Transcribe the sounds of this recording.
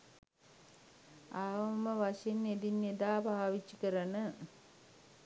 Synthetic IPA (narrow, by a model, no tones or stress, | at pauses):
aːʋɐməʋaʂenːed̪inːed̪aːbʱaːʋit͡ʃːikəɾənə